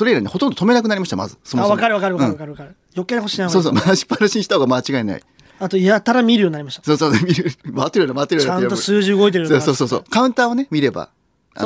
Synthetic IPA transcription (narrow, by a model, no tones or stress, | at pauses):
so̞ɾeiɾaineho̞t̪õ̞nd̪ot̪ʰome̞nakɯ̟naɾʲimaɕi̥t̪ama̰zɨ̰somβakaɾɯβakaɾɯaɯ̃kɾɯakaɾɯ | jokeɾeoɕinasoːsomaɕi̥pːaɾɯɕĩɲ̃ːi̥t̪ahoɡamat͡ɕiɡaena̰ḭ | at̪oijat̪aɾamʲiɾɯ̟jo̞ɲinaɾimaɕt̪asoːsoːemʲiɾɯmat̪ːeɾɯjaɾamat̪ːeɾɯjaãnt̪osɨːʑiɯɡo̞it̪eɾɯsoːo̞ːsoːso̞̰ːkaɯ̟nt̪aːone̞mʲiɾe̞ba̰ | a̰